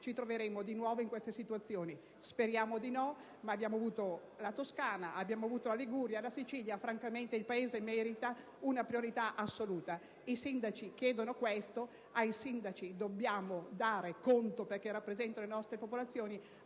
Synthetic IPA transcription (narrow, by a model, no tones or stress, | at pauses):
t͡ʃit̪ɾoveɾeːmod̪inwɔːvoiŋkwest̪esit̪uat̪sːjoːni | speɾjaːmod̪inɔ | maːbːjaːmoavuːt̪o | lat̪oskaːnaʔabːjaːmoavuːt̪olaliɡuɾjalasit͡ʃiljafɾaŋkament̪eilpaeːzemɛɾit̪a | unapɾioɾit̪aʔasːoluːt̪a | isind̪at͡ʃik̟jɛːd̪onokwest̪o | ajsind̪at͡ʃid̪obːjaːmod̪aːɾekont̪operk̟ɛrːapːɾezɛnt̪anolenɔst̪ɾepopolat̪sːjoːni